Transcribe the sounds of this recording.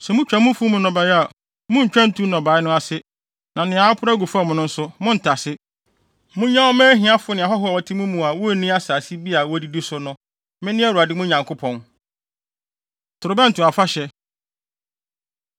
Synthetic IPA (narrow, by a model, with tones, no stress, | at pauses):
sɛ˨mʊ̃˦t͡ɕᶣa˨mʊ̃˦fu˦mʊ̃˦nɔ̃˨ba˨ja˨ | mʊ̃˦ɲ̩˨t͡ɕᶣã˦n̩˦tʰu˦nɔ̃˨ba˨˦ɪ˦nʊ̃˦a˨sɪ˦ | nã˨nɪ̃˨a˨˦a˦pʰʊ˦ɾa˦ɡu˨fʊ˦a˦mʊ̃˦nʊ̃˦n̩˦sʊ˦mʊ̃˦n̩˨tʰa˨sɪ˦ | mʊ̃˦ɲã˦ɔ˦mɛ̃ː˦ɦĩ˨˦a˦fʊ˦nɪ̃˨a˨ɦɔ˦ɦɔ˦ɔ˨ɔ˨tʰɪ˦mũ˦mũ˨a˨wɔ˦˨nĩ˦a˦saː˨si˦bi˦a˨wɔ˦di˦di˦sʊ˦nʊ̃˦ | mɪ̃˦nɪ̃˦æ˦wu˨a˨dɪ˦mʊ̃˦ɲã˨ŋkʰʊ˦pʰɔ̃˨n | tʰʊ˨ɾʊ˨bɛ˦n̩˨tʰʊ̃˨a˨fa˦ɕɛ˦